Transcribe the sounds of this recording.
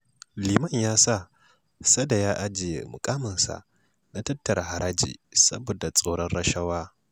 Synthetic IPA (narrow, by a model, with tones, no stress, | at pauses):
liː˨mɐ˦ɲjaː˦sa˦˨ | sɐ˦da˨jaː˦ʔa˦d͡ʒɪ˨jḛ˨mʊ˨kʼaː˦mɐ˨nsa̰˨ | na˦tɐ˦tːɐ˨ɾa˨ha˨ɾaː˦d͡ʒḭː˨sɐ̰˦bo˨da˨t͡sʼo˦ɽɔ˦nɾɐ˦ʃɐ˦waː˦